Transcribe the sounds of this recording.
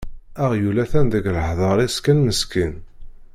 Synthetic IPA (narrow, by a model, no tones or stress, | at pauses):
æʁjulæθænðəɡləħðˤɑɾˤiskænməskin